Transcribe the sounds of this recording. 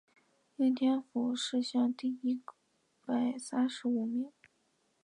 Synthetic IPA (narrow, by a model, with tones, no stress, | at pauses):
i˥nt̪ʰjɛ˥nfu˨˩ʂɻ̩˥˧ɕjɑ˥˧ŋt̪i˥˩i˥ | pa˨˩ɪsa˥nʂɻ̩˧˥u˨˧˩mi˧˩˦